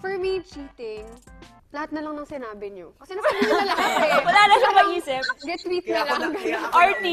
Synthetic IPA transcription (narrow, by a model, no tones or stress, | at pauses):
fɛɹmit͡ʃiːt̪ɪŋ | lɐhat̪̚nɐlɐŋnɐŋsɪnaːbɪɲo̰ɐsɛnaɐɐlɐkɐmɐd̪aːnɐʃɐŋmɐʔiːsɪp̚ɡɛt̪wit̪nɐɐɡɐʔaɹt̪i